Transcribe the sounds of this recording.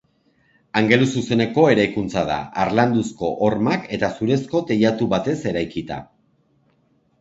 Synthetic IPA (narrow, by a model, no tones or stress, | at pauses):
aŋɡe̞lus̬use̞ne̞ko̞e̞ɾajkunt͡saða̰ːɾland̪usko̞ʔoɾmake̞t̪asuɾe̞sko̞t̪e̞jat̪uβat̪e̞se̞ɾajkit̪a̰